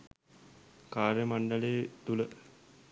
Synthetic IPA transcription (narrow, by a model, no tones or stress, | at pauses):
kaːɾjəmaɳɖəleːt̪ulə